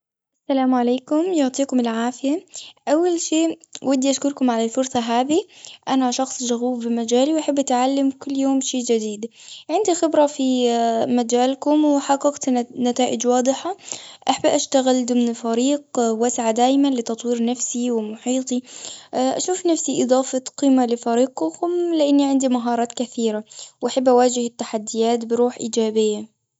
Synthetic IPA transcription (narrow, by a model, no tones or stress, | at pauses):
ʔʔasːalaːmʕaleːkʊmjʊʕt̪ˤiːkʊmɪlʕaːfɪjaʔawːalʃeːwad̪ːiʔaʃkʊɾkʊmʕalalfʊɾsˤɑɦaːðiʔanaʃɑxsˤd͡ʒaɣuːfbɪmad͡ʒaːliwʔaħabːʔat̪ʕalːamkʊlːjoːmʃeːd͡ʒad̪iːd̪ | ʕɪnd̪ixɪbɾˤɑfimad͡ʒaːlkʊmwɪħɑɡːɑɡt̪nat̪aːʔɪd͡ʒwɑːd̪ˤɨħaʔaħabʔaʃt̪aɣɪld̪ʊmnfaɾiːqwasʕad̪aːjmanlɪt̪ɑt̪ˤwiːɾnafsiwɪmʊħiːt̪ˤi | ʔa̰ʃuːfnafsiʔɨd̪ˤɑːfɑqiːmalɪfaɾiːq̚ʊkʊmlɪʔɪnːiʕɪnd̪imaɦɑːɾˤɑːt̪kaθiːɾawʔaħabːʔawaːd͡ʒɪhɪt̪ːaħad̪ːɪjaːt̪bɪɾuːħʔiːd͡ʒaːbɪjːa